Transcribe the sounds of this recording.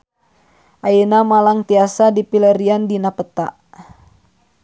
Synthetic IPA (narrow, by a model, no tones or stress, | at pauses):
ʔainamalaŋt̪iasadipiləɾiandinapət̪a̰ʔ